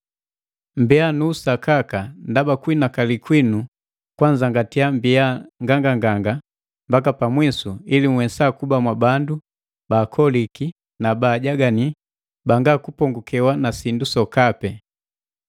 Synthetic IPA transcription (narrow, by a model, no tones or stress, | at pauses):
mbɛanuːsakakandabakwinakalikwinu | kwand͡ʒaŋɡatiambiaŋɡaŋɡaŋɡaŋɡa | mbak̬apamwisuiliŋwɛsakubamwabandu | baːkʰɔliki | nabaːɟaɡani | baŋɡakupɔŋɡukɛwanasindusɔkapɛ